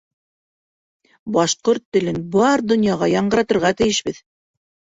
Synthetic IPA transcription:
bɑʃqoɾt̪ːɘ̆lɘnbɑɾd̪ŏnjɑʁɑjɑɴɢɤ̆ɾɑt̪ŏɾʁɑt̪ɘ̆jɘ̆ʃbɘð

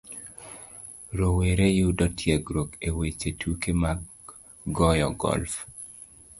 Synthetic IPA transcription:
ɾoweɾejudɔtʰjɛɡɾokewet͡ʃetʰukema | ɡɔjɔɡɔ̰lf

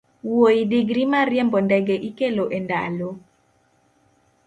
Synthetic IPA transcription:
woidiɡɾimarjɛmbɔndɛɡɛʔikeloʔenda̰lo

